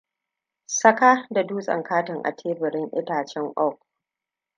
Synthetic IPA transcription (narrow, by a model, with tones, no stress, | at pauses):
sɐ˦ka˦da˨duː˦sʼɐ̰˨ŋkaː˦tɪ˨ŋʔa̰˨tʰeː˦bɪ˨ɾɪ˦ŋʔɪ˦taː˨t͡ʃɛ˦ŋʔɔ˦˨k̚